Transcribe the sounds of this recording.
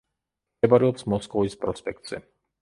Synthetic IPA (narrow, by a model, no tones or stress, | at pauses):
ɛbaɾiɔpsmɔskɔvispɾɔspɛk̚t̪sɛ